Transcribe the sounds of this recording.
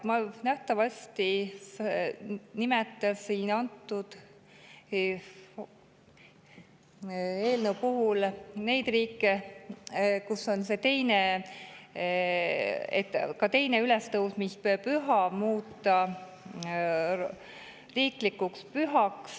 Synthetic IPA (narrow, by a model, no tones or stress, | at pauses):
mɑnæht̪ɑvɑsʲt̪i | nime̞t̪ːˑɑsinɑnt̪ːˑud̪̥ | e̞ːlnəwpuɦulne̞jd̪̥riːkːˑe | kuso̞nse̞t̪e̞jne | ḛt̪ːkɑt̪e̞jne̞yle̞st̪ɤwsmispøpyɦɑmuːt̪ːˑɑ | riːklikːukspyɦɑks